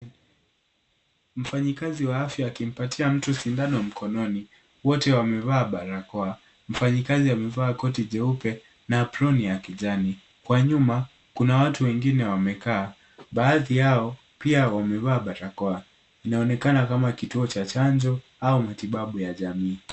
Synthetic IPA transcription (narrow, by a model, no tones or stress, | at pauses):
m̩faɲikaziwaafjaːkim̩patʰiam̩tusindanɔm̩kʰɔnɔni | wɔtɛwamɛvaːɓaɾakɔa | m̩faɲikaziamɛvaːkɔtiʄɛupɛ | naːpɾɔnijakiʄani | kwaɲuma | kunawatuwɛŋɡinɛwamɛkaː | ɓaːðijaɔ | piawamɛvaːɓaɾakɔa | inaɔnɛkanakamakituɔt͡ʃat͡ʃaɲd͡ʒɔ | aumatiɓaɓujaʄamiː